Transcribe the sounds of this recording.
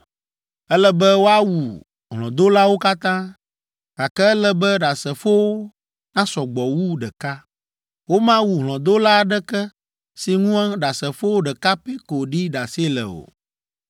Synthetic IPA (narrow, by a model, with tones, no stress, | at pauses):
ɛ˦lɛ˦bɛ˦wo˦a˦wu˨ | ɦlɔ̃˨d̪o˦la˦wo˦ka˦t̪ã˦ | ka˨kɛ˦ɛ˦lɛ˦bɛ˦ɖa˨sɛ˨fo˦wo˦ | nã˦sɔ˨ɡ͡bɔ˨wu˦ɖɛ˨ka˦ | wo˦mã˦wu˨ɦlɔ̃˨d̪o˦la˦˨ɖɛ˦kɛ˦ | si˨ŋũ˦ã˦ɖa˨sɛ˨fo˦wo˦ɖɛ˨ka˦pe˦ko˨ɖi˦ɖa˨se˦lɛ̰˨o̰˨